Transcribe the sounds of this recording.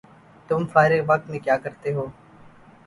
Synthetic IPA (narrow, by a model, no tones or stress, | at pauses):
t̪ʊmfaːɾeʋək̚t̪mẽːkjaːkəɾt̪eːɦoː